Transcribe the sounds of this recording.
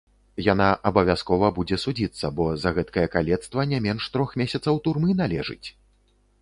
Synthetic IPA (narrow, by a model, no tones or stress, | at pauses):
janaʔɐbɐvʲaskɔvɐbud͡zʲɛsud͡zʲit̪sːɐbɔzɐɣɛt̪kɐjɐkalʲɛt̪st̪vɐnʲamʲɛnʂt̪ɾɔxmʲesʲɐt̪sɐwt̪urmɨnalʲɛʐɨ̰t͡sʲ